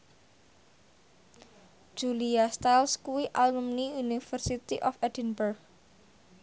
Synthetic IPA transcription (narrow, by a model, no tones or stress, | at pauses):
d͡ʒ̥uliast̪alskuwiʔalumniunifərsit̪iʔɔfɛdinbərɡ̚